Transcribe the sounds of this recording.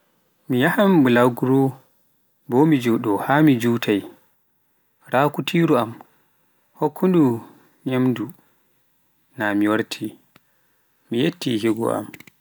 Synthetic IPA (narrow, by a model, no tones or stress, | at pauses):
mijahamblawɡɾɔ | bɔmid͡ʒɔɗɔhamid͡ʒuːtʰaj | ɾaːkutʰiɾuam | hokʰːundu | ɲamdu | namiwaɾtʰi | mijetːiɦiɡɔ̰a̰m